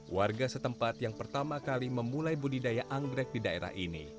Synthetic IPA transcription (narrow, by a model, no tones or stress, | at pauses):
warɡasət̪əmpat̪jaŋpərt̪amakaliməmulajbudidajaʔaŋɡɾɛk̚didaḛɾa̰hʔinḭ